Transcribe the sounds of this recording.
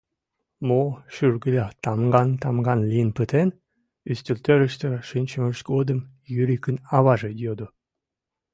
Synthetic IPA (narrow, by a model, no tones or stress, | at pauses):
moʃyrɡəlʲɑt̪ɑmɡɑnt̪ɑmɡɑnlijənpət̪en | yst̪əlt̪øɾəʃt̪eʃynʲt͡ɕəməʃɡod̪əm | jyɾikənɑβɑʒejød̪o